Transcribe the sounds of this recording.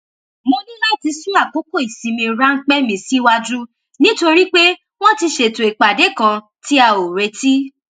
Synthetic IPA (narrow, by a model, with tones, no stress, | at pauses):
mo˧nĩ˦la˦ti˧sũ˦a˦˨ko˨˦ko˦˨i˨sĩ˨˧mĩ˧ɾa˦ŋ̩˦k͡pɛ˦mĩ˧˨si˦wa˧d͡ʒu˦ | nĩ˦to˧ɾi˦k͡pe˦ | w̃ɔ̃˦ti˧ʃe˨tõ˨i˨k͡pa˨de˨˦kã˧ | ti˦a˧˨o˨ɾe˨˧ti˦